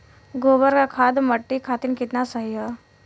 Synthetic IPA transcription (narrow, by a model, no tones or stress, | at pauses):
ɡobəɾkakʰad̪məʈːikʰat̪inkɪt̪nasəɦiɦə